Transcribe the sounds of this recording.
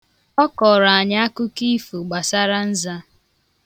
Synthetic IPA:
ɔ˦kɔ˨ɾa˨a˨ɲa˦a˦kʊ˦ki˦fu˨ɡ͡ba˨sa˦ɾa˦n̩˦za˦

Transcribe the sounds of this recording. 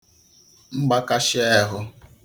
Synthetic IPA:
ŋ͡m̩˦ɡ͡ba˦ka˦ʃɪ˦ɛ˦ɦʊ˦

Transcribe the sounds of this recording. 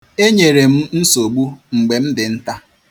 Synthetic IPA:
e˦ɲe˨ɾe˨m̩˦n̩˦so˨ɡ͡bu˦ŋ͡m̩˨ɡ͡be˨m̩˦dɪ˨n̩˦ta˦

